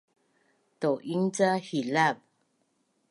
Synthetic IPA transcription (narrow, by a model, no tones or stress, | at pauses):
t̪oʔiŋt͡sahilap̚